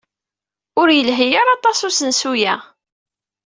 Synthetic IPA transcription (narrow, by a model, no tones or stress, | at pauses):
ʊɾjəlɦəjəɾˤɑt̪ˤɑsusənsujæ